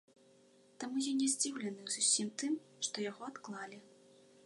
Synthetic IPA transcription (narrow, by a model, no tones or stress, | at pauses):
t̪amujɔnnʲɛzʲd͡zʲiwlʲɛnɨwzusʲimt̪ɨmʂt̪ɔjaɣɔat̪klˠalʲi